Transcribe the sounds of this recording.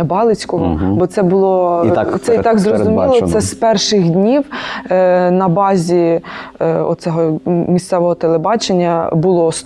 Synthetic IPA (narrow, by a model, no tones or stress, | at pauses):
bɑlˠɪt͡sʲkɔɦɔbɔt̪sɛbʊlˠɔt̪ɛit̪ɑkzrɔzʊmʲilˠɔsɛspɛrʃɪxdʲnʲiw | nɐbɑzʲi | ɔ̰t̪sɛɦɔmʲist̪sɛʋɔɦɔt̪elˠebɑt͡ʃenʲːɐbʊlˠɔs